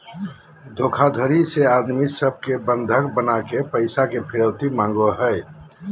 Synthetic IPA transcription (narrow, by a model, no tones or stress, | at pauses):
d̪ʱoːkʰad̪ʱəɾiseaːd̪misəb̚ʱkebə̃nd̪ʱəkbənakepəɪsakepʰɪɾəwt̪imãːŋɡoɦɛɪ